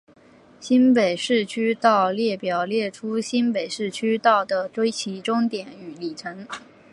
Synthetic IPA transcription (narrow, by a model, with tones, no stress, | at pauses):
ɕi˥npe˨˩ɪʂɻ̩˥˩t͡ɕʰy˥t̪ɑ˥˧ʊljɛ˥˩pjɑ˨˩ʊljɛ˥˩ʈ͡ʂʰu˥ɕi˥npe˨˩ɪʂɻ̩˥˩t͡ɕʰy˥t̪ɑ˥˩ʊd̪ə˩ʈ͡ʂwe˥ɪt͡ɕʰi˧˥ʈ͡ʂʊ˥ŋt̪jɛ˨˩ny˨˧˩li˨˩ʈ͡ʂʰɤ˧˥ŋ